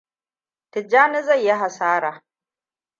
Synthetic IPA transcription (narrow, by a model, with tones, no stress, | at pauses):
tɪ˨d͡ʒaː˦nɪ˦zɐ˦˨jːɪ˦ɦa˨saː˦ɾaː˨